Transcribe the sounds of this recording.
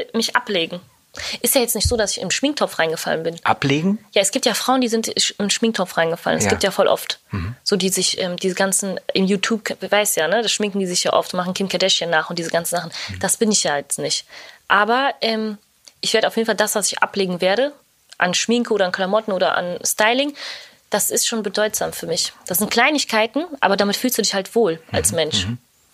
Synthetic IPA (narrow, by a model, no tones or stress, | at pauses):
mɪçʔa̰pleːɡŋ̩ | ʔɪstjaːjɛt͡stnɪçtz̥oːdasɪçɪ̰mʃmɪŋktʰɔp͡fʁaɪnɡəfa̰lənbɪnʔa̰pleːɡŋ̩jaːɛsɡ̥iːp̚tjaːfʁ̥aʊəndiːzɪntɪmʃmɪŋk̚tʰɔpfʁaɪnɡəfa̰lə̰nɛsɡiːptjaːfɔlʔɔ̰ft̩z̥oːdiːzɪçʔɛːmdiːzəɡant͡sn̩ʔɪmjuːtʰjuːp̚kvaɪsjaːnəd̥asʃmɪŋkŋ̩diːzɪçja̰ːʔɔ̰ftmaχn̩kʰɪmkʰadɛʃjənːaːχʊntd̥iːzəɡant͡sn̩zaχn̩d̥asb̥ɪnɪçjaːjɛt͡snɪçtʔaːbɐʔɛːm | ʔɪçveːɐɾəaʊfjeːdn̩faldasv̥asɪçʔa̰pleːɡŋ̩veːɐɾə | ʔanʃmɪŋkəʔoːɾɐankʰlamɔtn̩oːdɐ̰ʔa̰nstaɪlɪŋ | d̥asɪstʃoːnbədɔʏtz̥aːmfyːɐmɪçd̥asz̥ɪnt̚kʰl̥aɪnɪçkʰaɪtn̩ʔa̰ːbɐdamɪtfyːlstd̥uːdɪçhaltv̥oːlʔa̰lsmɛnʃ